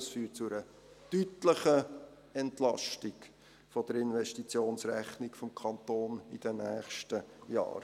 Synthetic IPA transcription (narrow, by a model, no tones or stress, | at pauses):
sfyːt̚t͡sʊəɾə | tytləχə | ɛntlɑ̰ʃtiɡ | fɔd̥əɾɪnʋɛʃtit͡sjoːnsɾɛχnikfɔmkʰɑnt̪oːnid̥ənæːχʃtəjɑ̰ːɾ